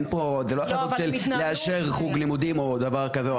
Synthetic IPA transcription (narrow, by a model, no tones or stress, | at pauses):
npozeloaχaofʃellleaʃeʁχuɡlimud̪imo̞d̪avaʁkaze